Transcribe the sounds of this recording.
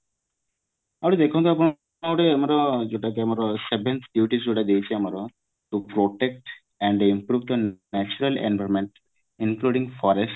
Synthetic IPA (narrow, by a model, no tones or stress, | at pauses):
amɾid̪ekʰõnt̪̬ɔap̬ɔɳ | aʈeamɾɔd͡ʒoʈakeamaɾɔsebʱent̪ɖjuʈisd͡ʒoʈad̪ejt͡ɕʰiamaɾɔ | ʈupɾoʈek̚ʈ | ɛɳɖimpɾubd̪ɔnɛt͡ʃuɾalḛnbʱaɾmeɳʈ | inkluɖiŋɡfɔɾesʈ